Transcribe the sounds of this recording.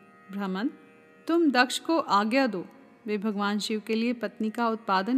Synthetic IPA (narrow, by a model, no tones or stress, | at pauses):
bɾɐmən | t̪ʊmd̪ɐkʃkoʔaːɡjad̪oː | ʋeːbʱɐɡʋaːnʃɪʋkeliepɐt̪nikaʊt̪̚paːd̪ən